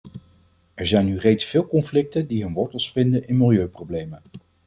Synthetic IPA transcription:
ɛɹzɛjnyrejtsfɪːlˠkɔnflɪk̚təndiɦɵnʋɔɹtəlˠsfɪndənʔɪnmɪlˠjøɥprowblejmən

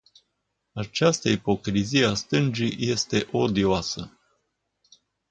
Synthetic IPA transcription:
at͡ʃast̪əipo̞kɾizieast̪ɨnd͡ʒije̞st̪e̞ʔo̞d̪ioasə

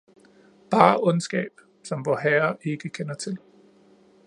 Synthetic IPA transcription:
b̥ɑ̈ːʔɔ̽nsɡ̥ɛ̰ːb̥ | sɒ̽mʋɒɦæɐe̝ɡ̥əkʰenɐt͡sʰe̝l

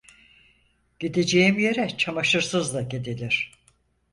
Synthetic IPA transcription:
ɟ̥id̪ed͡ʒejimje̞ɾɛt͡ʃʰamaʃɯɾsɯzlˠaɟed̪ilʲiɾ̝̥

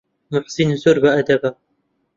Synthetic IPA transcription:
mʊħsɪnzʊɾbaʔad̪aba

